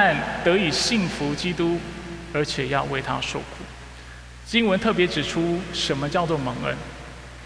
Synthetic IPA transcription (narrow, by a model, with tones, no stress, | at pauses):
a˥˩nt̪ɤ˧˥i˨˩ɕi˥˩ŋfu˨˧˦t͡ɕi˥t̪u˥ə˞˧˥t͡ɕʰjɛ˨˩jɑ˥˧ʊwe˥˩ɪt̪ʰa̰˥ʂo˥˩ʊkʰṵ˨˩˦ | t͡ɕi˥ŋwə˧˦nt̪ʰɤ˥˩p̬jɛ˧˥ʈ͡ʂɻ̩˨˩ʈ͡ʂʰu˥ʂə˧˥nmə˧t͡ɕjɑ˥˧ʊt͡swɔ˥˩mɤ˧˥ŋə̰˥n